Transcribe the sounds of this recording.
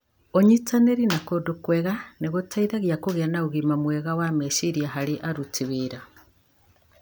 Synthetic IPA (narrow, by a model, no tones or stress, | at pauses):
oɲit͡saneɾinakodokweɣaneɣotaiðaɣjakoɣeanauɣimamweɣawameʃiɾjaɦaɾiʔaɾut͡siβiɾa